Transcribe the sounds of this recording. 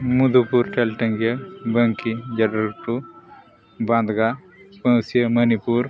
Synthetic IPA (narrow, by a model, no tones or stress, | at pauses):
mud̪upuɾʈʰelʈɐ̃ŋɡjəbɐŋkid͡ʒɐɖɾʈu | bãnd̪ʱɡa | pɐ̃wsjəmɐnipuɾ